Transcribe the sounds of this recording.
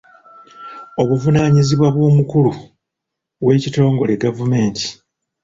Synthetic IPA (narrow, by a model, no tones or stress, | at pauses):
o̞βuvunaːɲiziβwaβwo̞ːmukulu | βwe̞ːcito̞ːŋɡo̞leɡavume̞ːnti̥